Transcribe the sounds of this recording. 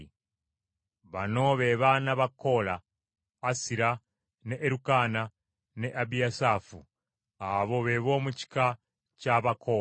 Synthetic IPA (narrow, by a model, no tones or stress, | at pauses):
βano̞βeβanaβako̞laː | siɾa | neʔːɾukana | neʔabijasafṵ | aβo̞βeβo̞ːmuci̥ka | caβakʰo